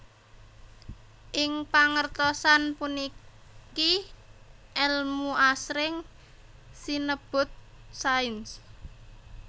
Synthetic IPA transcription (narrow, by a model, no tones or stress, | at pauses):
ʔɪŋpaŋərt̪ɔsanpuni | ki | ʔɛlmuʔasɾɪŋ | sinəb̥ʊ̤t̪̚ | saɪns